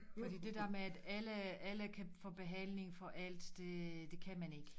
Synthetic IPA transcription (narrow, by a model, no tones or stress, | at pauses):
fɒd̥ḭːd̥e̝d̥eɐmeæd̥æləæləkʰæfɔ̰̽ːb̥e̝ɦæn̰le̝ŋfɒ̽ʔæl̰d̥d̥e̝d̥e̝kʰæmæne̝ɡ̥ə